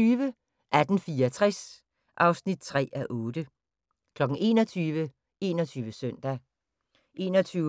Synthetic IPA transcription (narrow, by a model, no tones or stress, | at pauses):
yːʋə | ʔæd̥n̩fiːɐɒt͡sʰʁɛs | ʔɑ̈ʊsnid̥̚t͡sʰʁɛ̰ːæʔɔːd̥ə | kʰlɒ̽ɡ̥ŋ̩e̝̰ːnɒt͡sʰyːʋə | e̝ːnɒt͡sʰyːʋəsœn̰d̥æ | ʔe̝̰ːnɒt͡sʰyː